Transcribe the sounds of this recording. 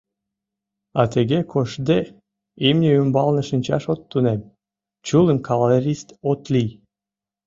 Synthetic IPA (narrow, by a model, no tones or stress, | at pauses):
ɑt̪eɣekʰoʃd̪e | imnʲeymbɑlnə̆ʃɨnʲt͡ɕɑʃot̪ːunem | t͡ɕuləmkʰɑlɑeɾʲist̪ot̪lij